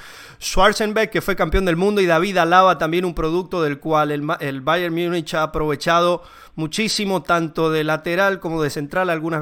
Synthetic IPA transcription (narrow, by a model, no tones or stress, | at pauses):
swaɾsembekkːe̞fwe̞kampjo̞nd̪elmũnd̪oiðaβiðalaβat̪ambje̞numpɾo̞ð̞uk̚t̪o̞ðe̞lkwalelβajeɾmjunit͡ʃaːpɾo̞β̞e̞t͡ʃað̞o̞ | mut͡ʃisimo̞t̪ant̪o̞ðe̞lat̪eɾalko̞mo̞ðe̞se̞nt̪ɾalalɣuna